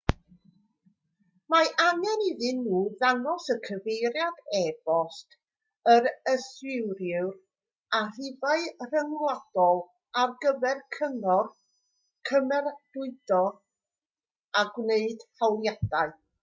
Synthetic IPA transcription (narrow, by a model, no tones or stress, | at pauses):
maʔaŋɛniðɨnːuːðanɔsəkʰəvejɾjadɛb̥ɔst | əɾəswɪwɾjʊwr | arɪvaɨr̥əŋlad̥ɔlˠ | arɡəvɛrkʰənɔr | kʰəmɛrd̥ʊɨd̥ɔð | aɡwneɨd̥hawlˠjad̥aɨ